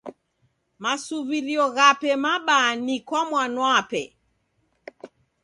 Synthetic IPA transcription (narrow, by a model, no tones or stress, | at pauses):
masuβiɾiɔɣapɛmaɓanikwamwanwapɛ